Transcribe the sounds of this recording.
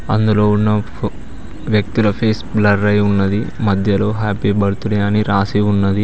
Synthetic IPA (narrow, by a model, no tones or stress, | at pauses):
ɐ̰nd̪ulo̞ːunːɐ | ʋjɐk̚t̪ilɐpʰeːsblɐɖɾɐjunːɐd̪imɐd̪ʱjɐlo̞ːɦaːpiːbɐɽut̪uɽɐjaːniɾaːsiunːɐd̪i